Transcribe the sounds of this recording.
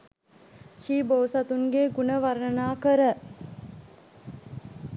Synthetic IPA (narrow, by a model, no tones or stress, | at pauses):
ʃiːboːsat̪uŋɡeːɡunəʋaɾnənaːkəɾə